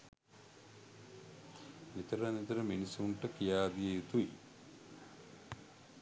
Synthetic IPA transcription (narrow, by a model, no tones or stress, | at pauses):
nit̪ɐɾanit̪ɐɾəminisuːɳʈəkijaːd̪ijejut̪uḭ